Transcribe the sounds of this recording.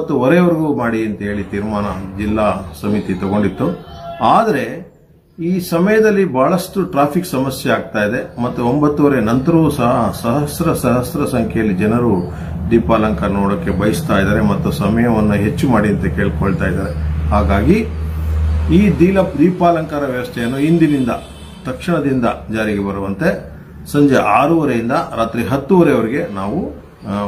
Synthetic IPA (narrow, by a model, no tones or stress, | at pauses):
mɐt̪ːuɔɾeʋɐɾiɡuːmaːɽiɐnt̪ɐɦe̞ːɭit̪iːɾmaːnɐd͡ʒilːaːsɐmit̪it̪ɔɡo̞ɳɖit̪ːuaːd̪ɐɾe̞ | iːsɐmɐjɐd̪ɐlːibʱaːɭɐsʈuʈɾaːpʰiksɐmɐsjeaːɡ̚t̪aːjid̪e̞mɐt̪ːuombɐt̪ːuɔɾenɐnt̪ɐɾɐʋusɐɦɐsɐɦɐsɾɐsɐɦɐsɾɐsɐŋkʰɛjɐlːid͡ʒɛnɐɾu | d̪iːpaːlɐŋkɐɐnoːɽokːe̞bɐjist̪aːjid̪aːɾemɐt̪ːusɐmɐjɐʋɐnːuɦe̞t͡ʃːumaːɽiɐnt̪ɐke̞ːɭkoɭt̪aːjid̪aːɾe̞ɦaːɡaːɡi | iːd̪iːlɐp̚d̪iːpaːlɐŋkaːɾɐʋjɐʋɐst̪ʰɛjɐnːuind̪inind̪ɐ | t̪ɐkʂiɳɐd̪ind̪ɐd͡ʒaːɾiɡebɐɾuʋɐnt̪e̞ | sɐɲd͡ʒeʔaːɾuʋɐɾejind̪ɐɾaːt̪ɾiɦɐt̪ːuʋɐɾeɐʋɐɾiɡe̞naːʋu